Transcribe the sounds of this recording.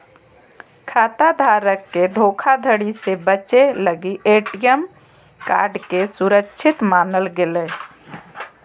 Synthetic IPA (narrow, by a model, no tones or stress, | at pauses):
kʰaːt̪ad̪ʱaːɾəkːeɖʱoːkʰad̪ʱəɽisebət͡ʃeləɡiʔeːʈijəm | ka̰ːɾɖkesʊɾəkʃʰɪt̪maːnəlɡɪleː